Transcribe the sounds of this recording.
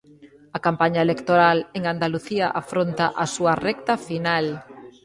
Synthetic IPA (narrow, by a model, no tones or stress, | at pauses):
ɐkampaɲaelekt̪oɾaleŋand̪aluθiaʔafɾont̪aʔasuɐrɛkt̪ɐfinal